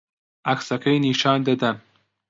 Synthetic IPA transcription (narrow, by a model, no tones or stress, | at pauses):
aksakʰajniʃɑːnd̪ad̪an